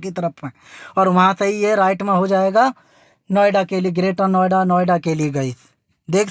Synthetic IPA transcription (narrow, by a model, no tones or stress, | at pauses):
kit̪ɐɾəpʰmẽ | ɔːɾʋɐɦãseɦijeɾaːɪʈmẽɦod͡ʒaːeːɡa | nɔːjɖakelieɡɾeːʈãnɔːɪɖanɔːjɖakelieɡɐis | d̪eːkʰ